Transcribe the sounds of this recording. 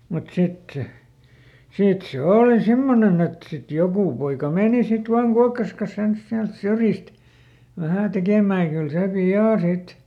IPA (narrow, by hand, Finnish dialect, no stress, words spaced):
mut sit se siˑt se oˑli simːonen et sit jokuˑ poikɑ meˑni sit ʋɑːŋ kuɑkːɑs kɑs ens siælt syrjist ʋæhæˑ tekeˑmæː j̆ɑ̆ kyl seˑ piɑˑ sit